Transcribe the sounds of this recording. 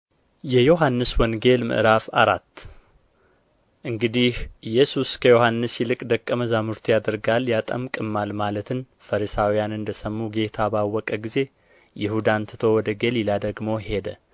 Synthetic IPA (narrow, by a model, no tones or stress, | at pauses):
jɛjo̞ɦanːɨswɔnɡe̞lmɨ̰ʔɨɾafaɾat̪ː | ʔɨŋɡɨd̪ihʔɨjːɛsuskʰəjo̞hanːɨsjɪlɨkʼd̪əkʼːəməzamuɾt̪ʰjad̪əɾɡaljat̪ʼəmkʼɨmːalmalət̪ʰɨn | fəɾisawijanɨnd̪əsəmːuɡe̞t̪ʰabawːɔkʼəɡize̞ | jɪhud̪ant̪ʰɨ̥t̪ʰowɔd̪əɡelilad̪əɡmo̞he̞d̪ə